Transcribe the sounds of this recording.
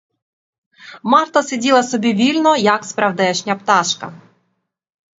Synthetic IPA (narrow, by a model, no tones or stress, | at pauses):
mɑrt̪ɐsʲedʲilˠɐsɔbʲiʋʲilʲnɔjɐkspɾɐwd̪ɛʃnʲɐpt̪ɑʃkɐ